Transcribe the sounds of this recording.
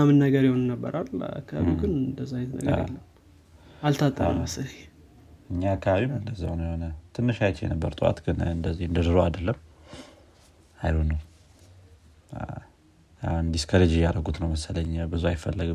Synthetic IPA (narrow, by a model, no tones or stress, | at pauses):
amɨnːəɡəɾjiho̞nnəbːə̰ɾala̰kʰːaβaβiɡɨnɨnd̪əzːajɛt̪nə̰ɡa̰ḛlːəm | alt̪ʰat̪ʼːə̰ɾə̰masəl | ɨɲːaakʰːaβaβimɨnd̪əzːa̰njeho̞nət̪ʰɨnːɨʃajt͡ʃjɛ̰nəbːə̰ɾt̪ʼɨwa̰t̪ɡɨnəɨnd̪əzːihɨnd̪əd̪ɨɾoad̪əlːəm | ajhonəw | and̪iskʰəɾəd͡ʒijaɾəɡut̪nəwməsələɲːbɨzuajɪfːəlːəɡ